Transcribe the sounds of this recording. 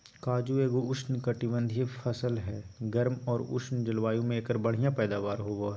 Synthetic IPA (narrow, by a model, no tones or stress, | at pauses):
kaːd͡ʒueːɡoʊʃnkɐʈiʋə̃nd̪ʱfʰɐsəlɦɛːɡɐɾmɔːɾʊ̰ʃʰnd͡ʒəlʋaːjõmẽeːkəɾbɐɽ̤ijãpɛːd̪aːʋaːɾɦoːɡoɦɛ